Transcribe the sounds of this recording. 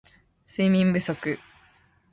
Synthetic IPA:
sɨiːmʲĩmbɯ̟so̞kɯ̟

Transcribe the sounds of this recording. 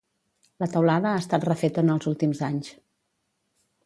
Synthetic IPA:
lət̪əwlaðəaːst̪at̪rəfet̪ənəlˠzulˠt̪imzaɲs

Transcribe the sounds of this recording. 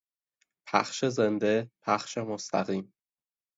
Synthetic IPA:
pʰæ̰xʃezend̪epʰæxʃemost̪ʰæ̰ɣiːm

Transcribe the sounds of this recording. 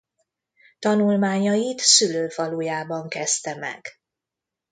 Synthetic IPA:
t̪ɒnulmaːɲɒjit̪syløːfɒluːjaːbɒŋkɛst̪ɛmɛ̰ɡ̥

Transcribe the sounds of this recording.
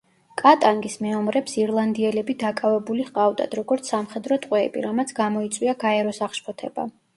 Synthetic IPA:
kʼat̪ʼaŋɡismɛɔmɾɛpsiɾlˠand̪iɛlɛbid̪akʼavɛbuliʁqʼavd̪a̰d̪̥ɾɔɡɔɾt̪sʰamχɛd̪ɾɔt̪ʼqʼwɛːbḭɾamat̪sʰɡamɔit̪sʼwiaɡaɛɾɔsaχʃpʰɔt̪ʰɛ̰ba̰

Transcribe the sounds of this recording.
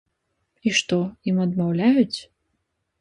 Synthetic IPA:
iʂt̪ɔimɐd̪mawlʲajut͡sʲ

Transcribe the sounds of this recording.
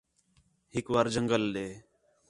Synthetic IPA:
hɪkʋaːɾd͡ʒəŋɡəlɗeː

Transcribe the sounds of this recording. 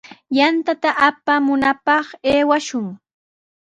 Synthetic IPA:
jant̪at̪aʔapamʊnapɑχeːwaʃʊŋ

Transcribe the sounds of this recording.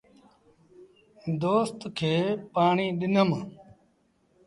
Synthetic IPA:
d̪oːst̪kʰeːpaːɳiːɗɪnəm

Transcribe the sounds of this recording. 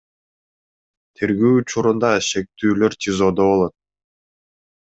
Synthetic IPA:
t̪ʰeɾɡyːut͡ʃuɾund̪ɑʃe̞k̚t̪yːlø̞ɾt̪ʲʰizod̪oβo̞lˠot̪̚

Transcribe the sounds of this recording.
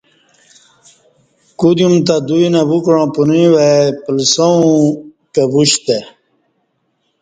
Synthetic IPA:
kud̪jumt̪ad̪uinabukɾãːpunĩwepəlsoũ | kebuɕt̪e

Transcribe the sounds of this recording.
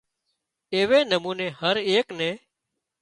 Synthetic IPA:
eːʋeːnəmuːneːhəɾeːknẽː

